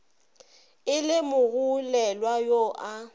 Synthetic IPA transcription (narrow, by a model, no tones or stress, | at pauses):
ɪlɪmʊɣulɛlwajoʔa